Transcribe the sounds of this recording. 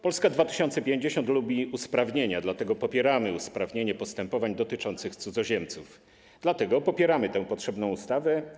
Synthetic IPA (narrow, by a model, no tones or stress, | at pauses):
pɔlskad̪vat̪ɘ̥ɕɔnt̪sɛpʲjeɲd͡ʑeɕɔnt̪lubʲiuspɾavɲeɲad̪lat̪ɛɡɔpɔpʲjɛɾamɘuspɾavɲeɲɛpɔst̪ɛmpɔvaɲd̪ɔt̪ɘt͡ʂɔnt̪sɘxt̪sud̪zɔʑɛmt̪suf | d̪̥lat̪ɛɡɔpɔpʲjɛɾamɘt̪ɛ̃w̃pɔtʂɛbnɔ̃w̃ust̪avɛ